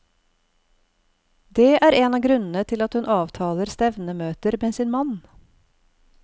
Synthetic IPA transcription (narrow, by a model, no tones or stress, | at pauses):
d̪eːʔæːɾeːnɑːɡɾʉnn̩ət̪ʰɪlɑt̪hʉnʔɑːʋt̪ʰɑːləɾst̪ɛʋnəmøːt̪əɾmeːsiːnmɑn